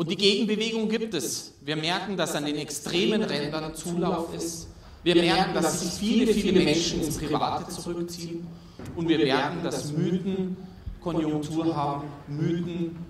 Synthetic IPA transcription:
ʔʊntd̥iːɡeːɡŋ̩bəveːɡʊŋɡiːp̚tɛsviːɐmɛɐkŋ̩dasandeːnɛkstʁ̥eːmənʁɛndɐnt͡suːlaʊfɪst | viːɐmɛɐkŋ̩dasz̥ɪçfiːləfiːləmɛnʃn̩ɪnspʁ̥iva̰ːtʰət͡sʊʁʏkt͡siːən | ʔʊntv̥iːɐmɛɐkŋ̩dasmyːtn̩ | kʰɔnjʊŋktʰuːɐɦaːbm̩myːtn̩

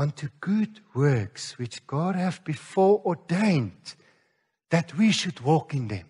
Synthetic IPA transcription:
ʌ̃ntʰuɡ̥udwɜ˞kswɪt͡ʃɡ̥ɔd̚hævbifɔɹɔdẽɪ̃nd | ðætʰwiʃudwɔkɪ̃nðɛ̰̃m

